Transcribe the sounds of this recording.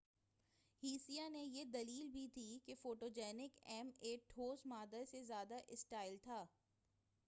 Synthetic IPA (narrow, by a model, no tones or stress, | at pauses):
hiːsijanejed̪ɐliːlbʱit̪ʰikefoːʈoːd͡ʒɛːnɪkɛmeːʈʈʰoːzmaːd̪asezjaːd̪aʔɪsʈaːɪlt̪ʰaː